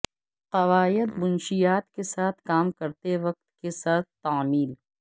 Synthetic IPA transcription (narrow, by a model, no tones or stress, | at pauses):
qɐʋaːjɪd̪bʊnʃijaːt̪kesaːt̪ʰkaːmkɐɾt̪eʋɐq̚t̪kesaːt̪̚ʰt̪aːmiːl